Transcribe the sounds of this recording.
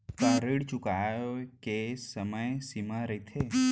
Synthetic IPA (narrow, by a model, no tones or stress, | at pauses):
kaɾiɽt͡ʃʊkajokesəməjsimaɾəit̪ʰe